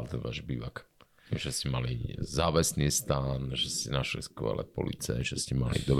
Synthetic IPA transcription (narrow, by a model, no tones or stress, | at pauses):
lt̪ɛnʋaːʒbiːʋak | ʒ̥ɛscɛmalizaːʋɛsniːst̪aːnʒɛsɛnaʃlḭskʋɛ̰lɛ̰pɔ̰lḭt͡sɛ̰ʒɛscɛmalḭd̪ɔb